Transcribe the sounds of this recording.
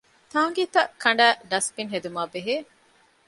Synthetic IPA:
t̪aːŋɡiːt̪ɐʔkɐɳɖæːɖɐspinɦed̪umaːbeɦeː

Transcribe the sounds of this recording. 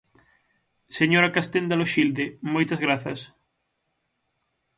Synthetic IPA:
seɲoɾakast̪end̪aloʃild̪emojt̪ɐzɣɾaθɐs

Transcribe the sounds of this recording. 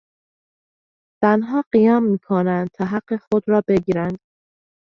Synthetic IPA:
z̥ænɦɒːɢijɒːmːiːkʰonænd̪̥̚t̪ʰɒːɦæɢ̥ːexod̪ɾɒːbe̞ɡiːɾænd̪̥̚

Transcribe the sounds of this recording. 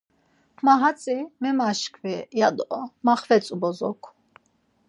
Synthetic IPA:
maɦat͡sʼimɛmaʃkʰvɛjad̪ɔmaχvɛt͡sʼubɔzɔkʰ

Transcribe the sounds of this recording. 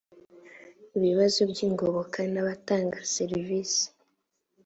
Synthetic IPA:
iβiβazobɟiːŋɡoβo̞kʰanaβataːŋɡaseɾiviːsi̥

